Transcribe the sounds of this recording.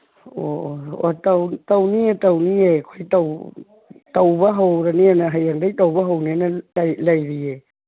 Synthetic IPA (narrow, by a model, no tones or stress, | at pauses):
oo̰t̪awt̪awniet̪awniekʰoijt̪aw | t̪awβaɦowɾanianaɦajandajt̪awβaɦownianalajlajɾie